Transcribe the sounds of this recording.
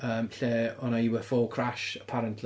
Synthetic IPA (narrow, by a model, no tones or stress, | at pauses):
əːmɬɛːɔnaiwəfɔlˠkʰɹ̥aʃəpʰaɾəntʰl